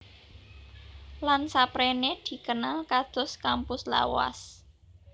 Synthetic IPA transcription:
lansapɾened̪̥i̤kənalkad̪̥ʊ̤skampʊsla̰wa̰s

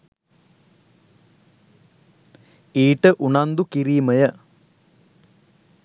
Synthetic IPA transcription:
iːʈəʔuɳand̪ukiɾiːməjə

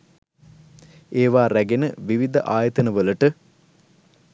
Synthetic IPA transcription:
eːʋaːɾæɡenəʋiʋid̪ɐ̰ʔaːjɐt̪ənəʋələʈə

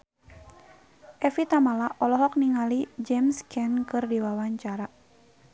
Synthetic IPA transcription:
ʔɛfit̪amalaʔɔlɔɦɔk̚niŋalid͡ʒɛmskʰɛnkɨrdiwawaɲt͡ʃaɾa

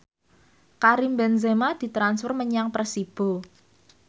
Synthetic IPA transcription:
kaɾimbɛnzemad̪̥i̤t̪ɾansfɪrməɲaŋpresib̥o̤

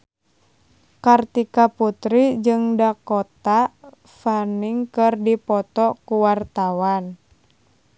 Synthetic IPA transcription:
kart̪ikaput̪ɾid͡ʒɨŋdakɔt̪a | faniŋkɨrdipɔt̪ɔkuwart̪awan

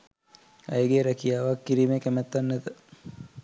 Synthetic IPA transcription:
ɐjɡeɾækijaːʋakːiɾimekæmæt̪ːanːet̪ə

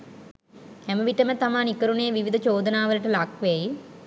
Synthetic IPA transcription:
ɛməʋiʈəmət̪amaːnikəɾuneːʋiʋid̪ʱət͡ʃoːd̪ənaːʋələʈəlakʋeji

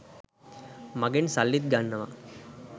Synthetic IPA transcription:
mɐɡensɐlːit̪̚ɡanːɐʋɐ̰

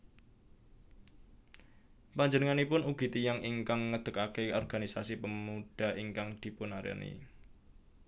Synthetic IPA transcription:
paɲd͡ʒənəŋanipʊnuɡ̥i̤t̪ijaŋiŋkaŋːəd̪̥ə̤kakeɔrɡa̤nisasipəmuɖ̥a̤ʔiŋkaŋd̪̥i̤pʊnaɾa̰nḭ

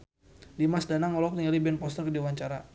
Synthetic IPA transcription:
dimasdanaŋɔlɔk̚t̪iŋalibɛnpɔst̪ərkədiwaɲt͡ʃaɾa

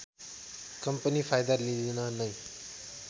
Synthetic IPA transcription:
kʌmpʌnipʰajd̪ʌlid̪inʌnʌj

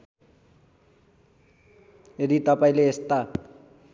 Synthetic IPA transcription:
jed̪it̪ʌpaĩleːst̪a

